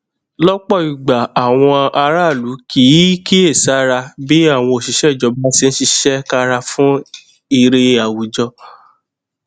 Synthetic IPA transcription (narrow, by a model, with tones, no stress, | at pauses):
lɔ˦k͡pɔ˦˨i˨ɡ͡ba˨a˨w̃ɔ̃˧a˧ɾa˦˨lu˨˦kʰi˨˦ki˦e˦˨sa˨˦ɾa˧bi˦a˦˨w̃ɔ̃˧o˨ʃi˧˦ʃɛ˦˨d͡ʒɔ˧˦ba˦ti˧˦ñ̩˦ʃi˧ʃɛ˦ka˦ɾa˧fũ˦ | i˧ɾe˧a˨wu˨d͡ʒɔ˧